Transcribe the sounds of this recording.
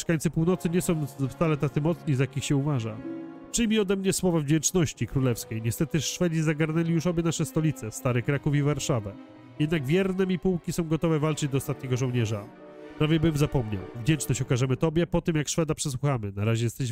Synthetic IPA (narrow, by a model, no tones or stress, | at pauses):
kaɲ̃ʲt̪sɘpuwnɔt̪sɘɲɛsɔ̃w̃ft̪salɛt̪at̪sɘmɔt̪sɲizjakʲixɕɛuvaʐapʂɘjmʲiɔd̪ɛmɲɛswɔvavd͡ʑɛnt͡ʂnɔɕt͡ɕikɾulɛfskʲejɲɛst̪ɛt̪ɘʂfɛdʲizaɡaɾnɛlʲijuʂɔbʲjɛnaʂɛst̪ɔlʲit̪sɛst̪aɾɛkɾakufivaɾʂavɛ | jɛd̪naɡvʲjɛɾnɛmʲipuwkʲisɔ̃w̃ɡɔt̪ɔvɛvalt͡ʂɛd͡ʑd̪ɔːst̪at̪̚ɲɛɡɔʐɔ̃wɲɛʐa | pɾavʲjɛbɘmzapɔmɲa̰wvd͡ʑɛnt͡ʂnɔɕt͡ɕɔkaʐɛmɘt̪ɔbʲjɛpɔt̪ɘmjakʂfɛd̪apʂɛs̬wuxamɘnaɾaʑɛjɛst̪ɛ